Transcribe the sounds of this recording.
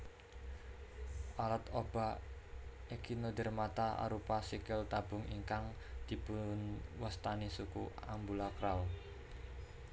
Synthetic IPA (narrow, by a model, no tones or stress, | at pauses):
ʔalat̪ob̥a | ekinod̪ə̤rmat̪aʔa̰ɾupasikɪlt̪abʊ̤ŋiŋkaŋ | d̪̥i̤pʊnwast̪anisukua̰mbulakɾaw